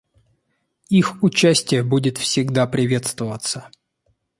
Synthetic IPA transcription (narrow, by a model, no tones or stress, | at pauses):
ixʊt͡ɕæsʲtʲɪjəbudʲɪt̪fsʲɪɡd̪apɾʲɪvʲe̞t̪st̪vəvət̪sə